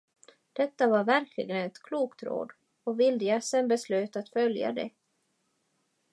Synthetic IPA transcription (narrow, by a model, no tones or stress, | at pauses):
d̪̥ɛt̪ːavaɾvæɾkʰlɪ̰ɡənɛt̪kʰluːkt̪ɾo̰ːd̪ | ɔvɪld̪əjasɛnbɛslʉːt̪at̪fœlja̰d̪ɛ̰